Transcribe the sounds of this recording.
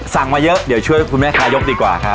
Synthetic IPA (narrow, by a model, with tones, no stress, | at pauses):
sa˨˩˦ŋmaː˧jɤ˦˥ʔdi˨˩˦wt͡ɕʰu˥˩əjkʰu˧nmɛː˥˩kʰaː˧˥jo˦˥k̚diː˧˩kwa̰ː˨˩kʰa˦˥